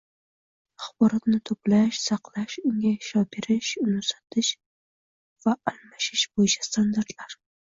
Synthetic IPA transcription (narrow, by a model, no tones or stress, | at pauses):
aχbɒɾat̪nɪt̪ʰoplaʃsɑqlaʃʊŋʲaʃɒbeɾɪʃʊnʊsat̪ʰɪʃ | vaːlmaʃɪʃb̥ojɪt͡ʃʰḁst̪ʰand̪aɾt̪ʰlaɾ